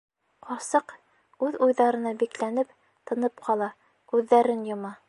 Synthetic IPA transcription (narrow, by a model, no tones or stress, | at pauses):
qɒɾsɤq | ʉðujðɑɾɤ̆nɑbiklænɘp | t̪ɤ̆nɤpqʰɑlˠɑ | kʉðːæɾɘnjŏmɑ